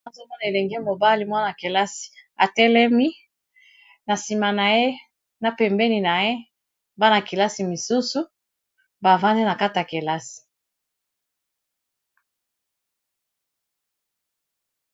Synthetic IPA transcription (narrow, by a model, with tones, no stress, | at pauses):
zo˦mɔ˦na˨e˨le˨ŋɡe˦mo˨ba˦li˨mwa˦na˨ke˨la˦si̥˨a˨tɛ˦lɛ˦mi˦ | na˨si˨ma˨na˨je˦ | na˨pɛ˨mbɛ˦ni˨na˨je˦ | ba˦na˨ki˨la˦si˨mi˨su˦su˦ | ba˨va˦nde˦na˨ka˦ta˨ke˨la˦si̥˨